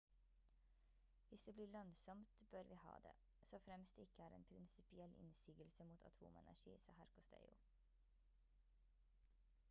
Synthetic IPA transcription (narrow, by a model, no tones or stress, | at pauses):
ʋɪsd̪eːbliːɭœŋsɔmt̪bøɾʋiːhɑ̰ːd̪ḛː | soːfɾɛmst̪ɪkːəæːɾɛ̰ːnpʰɾɪnsɪpɪɛlʔɪ̰nsiːɡəlsəmuːt̪ʰɑ̰t̪ʰṵːmɛ̰næʂḭːsɑ̰ːhæɾkʊst̪ḛɪʊ